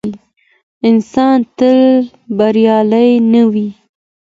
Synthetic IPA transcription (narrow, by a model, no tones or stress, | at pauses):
ɪnsɑnt̪əl | baɾjɑləjnawi